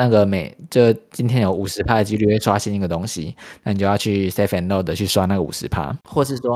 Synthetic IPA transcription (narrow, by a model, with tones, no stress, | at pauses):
na˥˩ɡə˩me˨˩ɪʈ͡ʂə˥˩t͡ɕi˥nt̪ʰjɛ˥njo˨˩ʊu˨˩ʂɻ̩˨˥pʰa˥də˨t͡ɕi˥ly˥˧we˥˩ɪswa˥ɕɛ˥˧ni˥˩ɡə˩t̪ʊ˥ŋɕi˨na˥˩ni˨˩t͡ɕjo˥˧jʊt͡ɕʰy˥˩se˥fɛ˧˨˩nlo˥˩ʊd̪ə˨˩t͡ɕʰy˥˩swa˦na˥˩ɡə˩ṵ˨˩ʂɻ̩˧˦˥pʰa̰˥xwɔ˥˧ʂɻ̩˥˩ʂwɔ˦